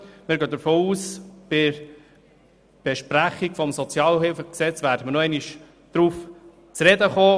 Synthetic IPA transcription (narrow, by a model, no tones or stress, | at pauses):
mɪːɾɡøːd̪əɾfoːuːsb̥ɪɾ | b̥ɛʃpɾæχikfɔmsɔt͡sjɑːlɦɪlfəksɛt͡sʋæɾdəməɾnoɛniʃ | d̪̥ɾuːf | t͡sɾɛdəχoː